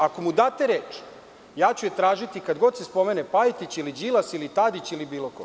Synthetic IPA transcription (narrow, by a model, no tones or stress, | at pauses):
akomud̪aːt̪eɾeːt͡ʃ | jaːt͡ɕujet̪ɾaːʒit̪ikad̪ɡo̞d̪sespo̞meːnepajit̪it͡ɕilid͡ʑilasilit̪ad̪it͡ɕilibiːloko